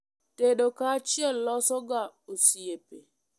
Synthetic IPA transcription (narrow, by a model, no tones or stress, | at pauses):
teɗokat͡ʃielɔsɔɡaosiepe